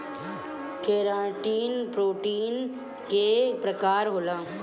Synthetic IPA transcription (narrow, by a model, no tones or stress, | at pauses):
keːɾãːʈiːnpɾoːʈiːn | kepɾəkaːɾɦolãː